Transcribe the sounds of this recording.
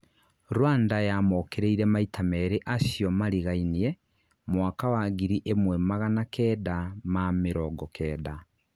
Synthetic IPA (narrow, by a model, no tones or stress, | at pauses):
ɾwaːndajamɔkeɾeiɾɛmaitʰamɛɾeʔasjɔmaɾiɣainiɛ | mwakawaɣiɾiʔemwɛmaɣanakʰɛːdamameɾɔɡɔkʰɛːda